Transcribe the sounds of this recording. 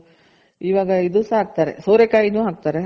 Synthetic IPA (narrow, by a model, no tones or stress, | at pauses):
iːʋaːɡɐid̪usaːk̚t̪aːɾḛsoːɾekaːjinuːɦaːk̚t̪aːɾe